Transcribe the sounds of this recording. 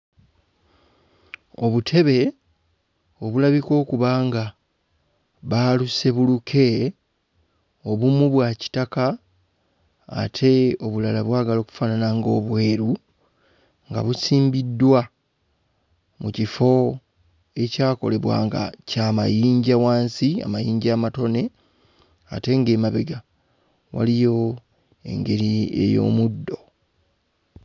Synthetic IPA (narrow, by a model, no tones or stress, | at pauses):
o̞βutʰe̞βe̞ | o̞βulaβiko̞ːkuβaːŋɡa | βaluse̞βulukʰe̞ | o̞βumuβwaci̥taka | tʰe̞o̞βulalaβwaːɡalo̞ːku̥fananaŋɡo̞ːβwe̞ːɾu | ŋɡa̰βusiːmbidːwa | mucifo̞ | e̞caːko̞̰le̞βwa̰ːŋɡa̰caːmajiːɲɟawaːnsia̰majiːɲɟaːmato̞ne̞ | ate̞ŋɡe̞ːmaβe̞ɡa | wa̰lijo̞ | e̞̰ŋɡe̞ɾie̞̰jo̞̰ːmudːo̞